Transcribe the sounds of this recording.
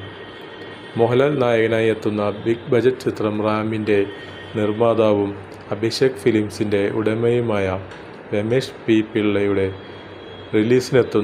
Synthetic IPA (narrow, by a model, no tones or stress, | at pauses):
moɦɐlɐnaːjɐɣɐnaːjet̪ːunːɐbikbʱɐd͡ʑɐtːɨt͡ɕit̪rɐmraːminde̞ | nirmaːd̪aːʋum | ɐbʱiɕɐkɐfilimsinde̞ṵɽɐmɐjumaːjɐ | ʋemeːʂpiːpːiɭːɐjuɽe̞ | riliːsine̞t̪ːu